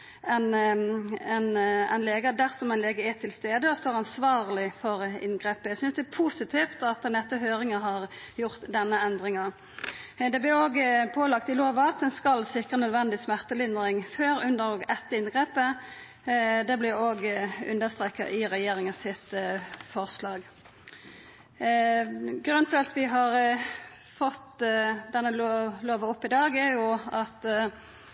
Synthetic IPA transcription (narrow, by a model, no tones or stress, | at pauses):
ɛn | ɛnæ̰ɪnleːɡəd̪æʁsɔmæɪnleːɡəæt̪ʰɪlst̪eːd̪əɔst̪ɔɾɑnsʋɑːʁlɪfɔɾɪ̰nɡʁeːpəjæsʏnsd̪ɛæpʰusɪt̪ʰift̪ɑt̪ɛnɛt̪ːəhøːɾɪŋəhɑʁjʊʁt̪d̪ɛnːəɛnd̪ɾɪŋɑ | d̪ɛblɪɾoːɡpʰoːlɑkt̪ɪloːʋɑɑt̪ɛnskɑlsɪkʁənœd̪ʋɛnd̪ɪsmæʁt̪əlɪnd̪ɾɪŋføːɾʉnd̪əʁoːɡɛt̪ːəɪnɡʁeːpə | d̪ɛblɪoːɡʉ̰nd̪əst̪ʁeːkɑ̰ʔɪʁɛjeːɾɪŋəsɪt̪fɔʁslɑːɡ | ɡɾʉnt̪ʰɪlɑt̪ʋɪɦɑʁ | fɔt̪d̪ɛnːəloloːʋəɔpːɪd̪ɑːɡæjʊɑt̪